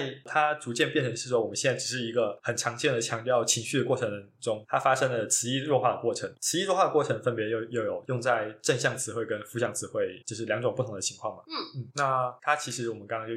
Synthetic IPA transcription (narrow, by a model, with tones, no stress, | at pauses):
a˥˩ɪt̪ʰa˥t͡su˧˥t͡ɕjɛ˥˧npjɛ˥˩nʈ͡ʂʰə˧˥ŋʂɻ̩˥˩ʂ̬wɔ˥wɔ˨˩mə˦nɕɛ˥˧nt͡sa˥˩ʈ͡ʂ̩˨˩ʂɻ̩˥˩i˧˥ɡə˧xə˨˩nʈ͡ʂʰɑ˧˥ŋt͡ɕjɛ˥˩nd̪ə˩t͡ɕʰjɑ˧˥ŋt̪jɑ˥˧ʊt͡ɕʰi˧˥ŋɕy˥˩d̪ə˩kwɔ˥˩ʈ͡ʂʰə˧˥ŋ˧˥ʈ͡ʂʊ˥ŋt̪ʰa˥fa˥ʂə˥ŋlə˨t͡sʰɹ̩˧˥i˥ɻwnxwa˥˩d̪ə˩kwɔ˥˩ʈ͡ʂʰɤ˧˥˦ŋt͡sʰɹ̩˧˥i˥ɻwnxwa˥˩ə˧kɔ˥˩ʈ͡ʂʰɤ˧˥ŋfə˥npjɛ˧˥jo˥˧ʊjo˥˩ʊjo˨˩ʊjʊ˥˧ŋt͡sa˥˧ɪʈ͡ʂə˥˧nɕjɑ˥˩ŋt͡sʰɹ̩˧˥xwe˥˩ɪkə˦˥nfu˥ɕjɑ˥˩ŋt͡sʰɹ̩˧˥xwe˥˩ɪt͡ɕjo˥˧ʊʂɻ̩˥˩ljɑ˧˥ŋʈ͡ʂŋpu˥t̪ʰʊ˧˥ŋd̪ə˩t͡ɕʰi˧˥ŋkʰwɑ˥˩ŋmɐ˩n̩˥˩na˥˩t̪ʰa˥t͡ɕʰi˧˥ʂɻ̩˧˥wɔ˨˩mə˦nkɑ˥ŋkɑ˥ŋt͡ɕo˥˧˩